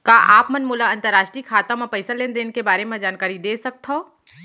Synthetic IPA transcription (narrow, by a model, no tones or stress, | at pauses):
kaːʔaːpmɐnmuːlaɐ̃nt̪əɾːaːʃʈɾikʰaːt̪ãmãpɐɪsaleːnd̪eːnkebaːɾemẽd͡ʒaːnkaːɾid̪eːsɐk̚t̪ʰo